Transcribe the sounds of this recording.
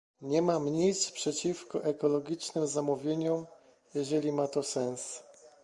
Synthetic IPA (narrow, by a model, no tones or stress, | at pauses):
ɲɛmamɲejt̪spʂɛt͡ɕifkɔʔɛkɔlɔɡʲit͡ʂnɘmzamuvʲjeɲɔ | jɛʐɛlʲimat̪ɔsɛ̃ñs